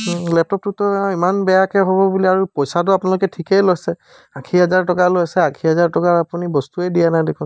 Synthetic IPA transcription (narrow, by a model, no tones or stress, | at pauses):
ɦlɛp̚tɔp̚tutɔimanbɛjakɛɦoβɔbuliaɹupɔjsat̬ʊapʊnalʊkɛtʰikejlojsɛ | akʰiɦɛzaɹtɔkalojsɛakʰiɦɛzaɹtɔkaapunibɔstuɛdijanajdekʰɔ̃